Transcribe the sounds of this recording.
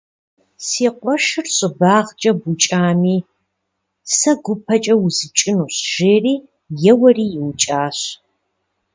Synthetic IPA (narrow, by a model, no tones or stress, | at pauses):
siːqʷʼɔʃɨrɕʼɪbaːʁt͡ʃʼɐbʊt͡ʃʼaːmiː | sɐɡʷʊpʰɐt͡ʃʼɐwʊzɨt͡ʃʼɪnuɕʒ̥eːriː | jɛwɐriːjɪwt͡ʃʼaːɕ